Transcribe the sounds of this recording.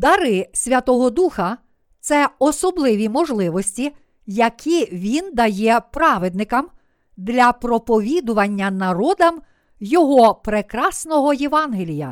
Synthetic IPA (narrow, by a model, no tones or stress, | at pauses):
d̪ɐɾɪsʲʋʲɐt̪ɔɦɔd̪uxɐ | t̪sɛɔsɔblˠɪʋʲimɔʒlˠɪʋɔsʲtʲi | jɐkʲʰiʋʲind̪ɐjɛpɾɑʋed̪nɪkɐm | d̪lʲɐpɾɔpɔʋʲid̪ʊʋɐnʲːɐnɐɾɔd̪ɐm | jɔɦɔpɾekɾɑsnɔɦɔjeʋɑnɦelʲijɐ̰